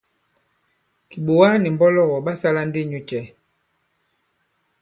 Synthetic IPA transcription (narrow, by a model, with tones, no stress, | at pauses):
ki˨ɓo˨wa˦ni˨m˨bɔ˦lɔ˦˨ɣɔ˨ɓa˦sa˦la˦n˦di˦˨ɲu˦t͡ʃɛ˨˦